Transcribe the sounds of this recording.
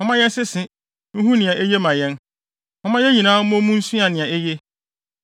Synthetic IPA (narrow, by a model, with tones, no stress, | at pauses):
hɔ̃˨˦mã˦jɛ˦sɪ˦sɪ̃˨ | n̩˦ɦũ˦nɪ̃˨ã˨ʔe˦je˦mã˨jɛ̃˦n | hɔ̃˨mã˦jɛ˦ɲĩ˨nãː˦m̩˦mɔ̃˦mũ˦n̩˦su˦a˨nɪ̃˨ã˨e˦je˦